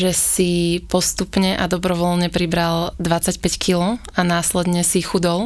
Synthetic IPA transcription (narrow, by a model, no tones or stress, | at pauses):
ʒɛsipɔst̪upɲɛʔad̪ɔbɾɔʋɔlɲɛpɾibɾald̪ʋat͡sacpɛckʰilɔ | anaːslɛd̪ɲɛsixud̪ɔl